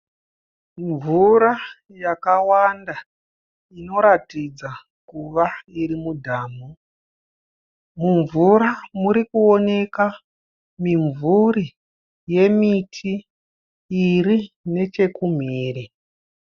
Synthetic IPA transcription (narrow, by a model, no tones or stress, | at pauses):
ɱvuɾa | jakawanda | ino̞ɾatid͡za | kuʋaiɾimudʱaːmu | muɱvuɾamuɾikuone̞ka | miɱvuri | je̞mitʰiː | ri | ne̞t͡ʃe̞kum̤iːri